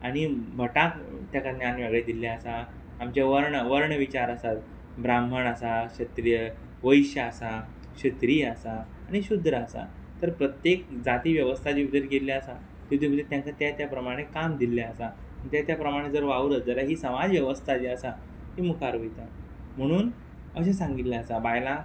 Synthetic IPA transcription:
aɽ̃ibʱəʈakt̪jakad̪njanʋaɡɭed̪iljaəsaː | mt͡ɕjaʋəɾɳəʋəɾɳəʋit͡ɕaɾəsat̪ | bɾambʱəɳəsaɕət̪ɾijə | ʋəiɕjəəsa | ɕət̪ɾiːəsaː | ɽ̃iɕud̪ʱɾəəsa̰ | t̪əɾpɾət̪jekd͡zat̪iːʋjəʋəst̪ʰad͡ʑiud̪əɾkeljaəsa | t̪ut̪im̤əd̪et̪jãŋkat̪jat̪japɾəmaɽ̃ekamd̪iljaəsa | məɳt̪jat̪japɾəmaɽ̃ed͡zəɾʋauɾəd͡zəɾaɦiːsəmad͡zʋjəʋəst̪ʰad͡ʑiəsa | ɦiːmukʰaɾojt̪a | m̤əɽ̃uːn | əɕ̬asãŋɡit̪ljaəsabajla

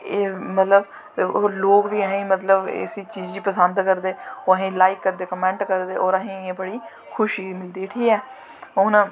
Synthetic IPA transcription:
eːmət̪ləb | oloːkʋiːəɦẽːmət̪ləbɪ̰siːt͡ʃiːd͡ʒd͡ʒiːpəsənd̪kəɾd̪eːoɦẽːlaːikːəɾd̪eːkəmɛ̃ːɳʈkəɾd̪eːoːɾəɦẽːeːbəɽiː | kʰʊʃiːmɪld̪iːʈʰiːɛː | oːnaː

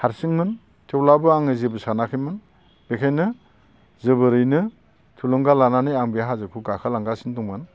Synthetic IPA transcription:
haɾsiŋmɯn | tʰewlabɯaŋɯzibɯsanakʰɯjmɯn | b̥ekʰajnɯ | zɯbɯɾɯjnɯ | tʰulɔŋɡalananɯjaŋbijɦazɯkʰuɡakʰalaŋɡasindɔŋmɯn

